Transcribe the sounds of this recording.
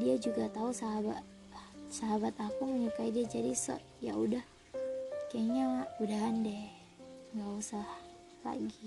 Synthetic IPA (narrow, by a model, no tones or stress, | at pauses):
diad͡ʒuɡat̪ausaɦabaʔ | saɦabat̪apaməɲukaidiad͡ʒadisə̰ | ja̰udah | kaɲamaʔudaɦandɛ | ŋɡausah | la̰ɡi